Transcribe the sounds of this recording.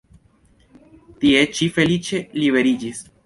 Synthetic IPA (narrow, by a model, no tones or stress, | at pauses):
tie̞t͡ʃife̞lit͡ʃe̞liβe̞ɾid͡ʒis